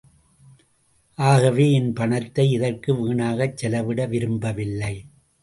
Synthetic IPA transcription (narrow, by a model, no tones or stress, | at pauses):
ʔaːɣɐʋeːɪnpɐɳɐt̪ːɐɪɪðɐrkɯʋiːɳaːɣɐt͡ʃːɛlɐʋɪɽɐʋɪɾɯmbɐʋɪlːɐɪ